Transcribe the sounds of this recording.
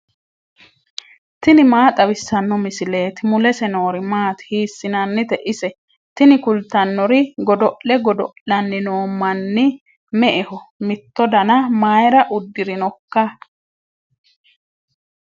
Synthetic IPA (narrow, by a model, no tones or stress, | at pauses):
t̪ɪnɪmaːt̪ʼɐwɪsːɐnːɔmɪsɪleːt̪ɪmʊlɛsɛno̞ːɾɪmaːt̪hiːsːɪnɐnːɪt̪ɛʔɪsɛ | t̪ɪnɪkʊlt̪ːɐnːɔɾɪɡɔd̪ɔʔlɛɡɔd̪ɔ̰ʔɐnːɪnoːmːɐnːɪ | mɛʔɛhɔmɪt̪ːɔd̪ɐnɐmaːjɾɐʔʊd̪ːɪɾɪnɔkːɐ